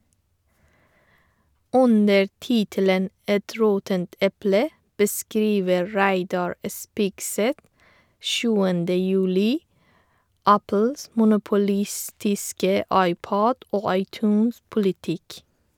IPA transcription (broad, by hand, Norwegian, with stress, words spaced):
ˈʔʉnə ˈtiːtələn ˈɛt ˈɾoːtənt ˈɛplə bəˈskɾiːʋə ˈɹæɪdɑɹ ə ˈspɪɡˌsɛt ˈʃʉːəndə jʉˈliː ˈæpl̩s mʊnʊpʊˈlɪstɪskə ˈɑɪˌpoːd ˈoː ɑɪˈtʉːnspʊlɪˌtɪk